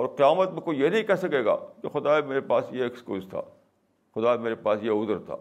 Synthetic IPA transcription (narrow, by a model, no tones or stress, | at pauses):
ɔːɾqɪjaːmət̪mẽkoijenɐɦĩkɛɦsɐkeːɡa̰ːkexʊd̪aːemeːɾepaːsjeːkskuːzt̪ʰa̰ː | xʊd̪aːemeːɾepaːsjeʊd̪əɾt̪ʰa̰ː